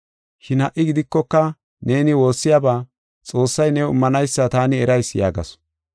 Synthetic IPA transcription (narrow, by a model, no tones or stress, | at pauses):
ʃɪnhɐʔːɪɡɪd̪ɪkːɔkːɐ | ne̞ːnɪwo̞ːsːɪjabaː | t͡sʼo̞ːsːɐjnɛwɪ̰mːɐnɐjsːɐt̪aːnɪɛɾɐjsja̰ːɡɐ̰s